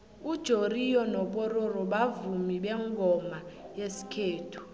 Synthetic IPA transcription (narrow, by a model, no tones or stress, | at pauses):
ud̥ʒ̥ʱorijɔnɔpʼɔɾorɔɓavumiɓɛŋɡʱɔma | jesi̥kʰeːtʰu̥